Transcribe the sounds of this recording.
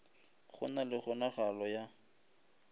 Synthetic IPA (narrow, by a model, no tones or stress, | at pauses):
χʊ̰nalɪχʊnaχalɔja